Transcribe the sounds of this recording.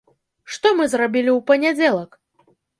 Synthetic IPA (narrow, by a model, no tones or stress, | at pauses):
ʂt̪ɔmɨzrabʲilʲiwpɐnʲad͡zʲɛlˠɐk